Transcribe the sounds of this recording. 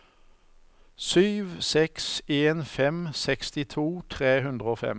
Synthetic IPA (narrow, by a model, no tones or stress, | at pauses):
syːʋsɛkseːnfɛmsɛkst̪ɪt̪ʰuːt̪ʰʁeːɦʉnd̪ʁəoːfɛ̰m